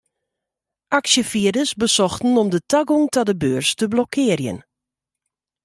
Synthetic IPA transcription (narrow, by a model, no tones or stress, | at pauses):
ʔaksjəfiədəsbəsɔxtn̩ɔmdətʰaɡuŋtadəbøːrstəblɔkʰɪːərjə̰n